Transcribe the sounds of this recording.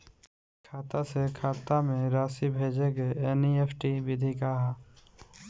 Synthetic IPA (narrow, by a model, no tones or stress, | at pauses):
kʰaːt̪asekʰaːt̪amẽɾaːsibʱeːd͡ʒeɡeeːniepʰʈibɪd̪ʱikaɦɛ